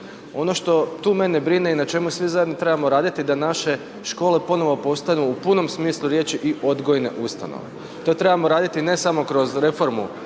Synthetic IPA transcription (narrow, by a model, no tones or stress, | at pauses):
o̞no̞ʃt̪o̞t̪uːme̞nebɾine̞inat͡ʃe̞musʋizajed̪not̪ɾe̞bamo̞ɾaːd̪it̪id̪anaʃe̞ | ʃko̞ːle̞pono̞ʋo̞po̞st̪anuːpuno̞msmiːslˠuɾje̞ːt͡ʃiʔiʔo̞d̪ɡo̞jne̞̰ʔust̪a̰no̰ʋḛ | t̪o̞t̪ɾe̞bamoɾaːd̪it̪ine̞samo̞kɾo̞zɾe̞fo̞ɾmṵ